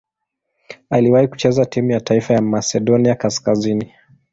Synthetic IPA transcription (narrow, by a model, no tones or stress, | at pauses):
aliwahiku̥t͡ʃɛzatimujataifajamasɛɗɔniakaskazini